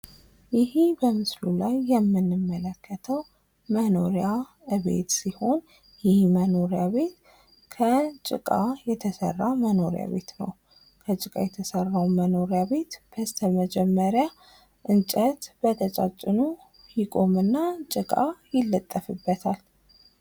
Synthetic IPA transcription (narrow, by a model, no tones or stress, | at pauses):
jɪhibəmɨslulajːɛmːɨnːɨmːələkʰːət̪ʰəw | məno̞ɾja | ɨβe̞̰t̪siho̞n | jɪhməno̞ɾjaβe̞t̪ | kʰət͡ʃʼɪ̰kʼajɛt̪ʰəsə̰rːaməno̞ɾja̰βe̞̰t̪nə̰w | kʰət͡ʃʼɨkʼa̰jɛt̪ʰəsərːawməno̞ɾjaβe̞t̪b̥əst̪ʰəməd͡ʒɛmːəɾja | ʔɨnt͡ʃʼət̪b̥ət̪ʰət͡ʃʼat͡ʃʼːɨnu | hikʼo̞mɨnːat͡ʃʼɨkʼajɪlːət̪ʼːəfɨbːət̪ʰal